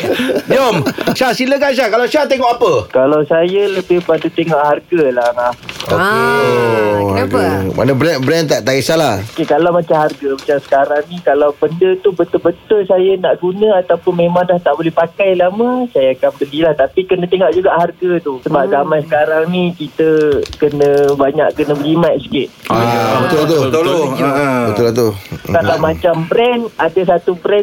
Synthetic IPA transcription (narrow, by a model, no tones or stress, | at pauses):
diɔmʃasiləkanʃ̬akalawʃat̪eŋɔʔapəkalawsajaləbɪhpadut̪eŋɔʔharɡəlaaho̰ke | ha̰ɡamʔa̰nəbɾɛnbɾɛnt̪aʔt̪aisalaokekalawmat͡ʃamɦarɡəmat͡ʃamsə̥kaɾaŋnikalawbəndət̪ubət̪ʊlbət̪ʊlsajanaʔɡunə̃at̪awpʊnmẽmãŋdaht̪aʔbolɛhpakajlaməsajaakambəlilaht̪apikənə̃t̪eŋɔʔ̚d͡ʒuɡaʔharɡət̪usəbap̚zamajsə̥kaɾaŋnikit̪əkənə̃baɲa̰ʔkənə̃bəɡimaʔ̪̚sə̥kɪʔ̪̚abət̪ʊlt̪ut̪o | bət̪ʊlt̪ukalawmat͡ʃambɾɛnadəsat̪ubɾɛn